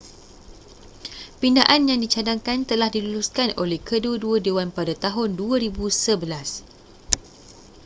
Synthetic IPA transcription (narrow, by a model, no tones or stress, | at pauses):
pindaʔanjaŋdit͡ʃadaŋkant̪əlahdiluluskanʔolɛhkəduaduadewanpadat̪aɦʊnduaɾibusəbəlas